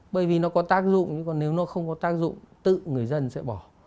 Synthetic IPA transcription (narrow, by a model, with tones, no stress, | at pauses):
ɓəː˨˩jvi˨˩nɔ˨˦kɔ˨˦t̪aː˦˥k̚zʊ̰˧˨ŋ͡mɲɨ˧kɔ˨˩ne˨˦wnɔ˨˦xə˧wŋ͡mkɔ˨˦t̪aː˦˥k̚zʊ̰˧˨ŋ͡mt̪ɨ̰˧˨ŋɨ˨˩əjzə˧nsɛ̰˧˥ɓɔ˧˩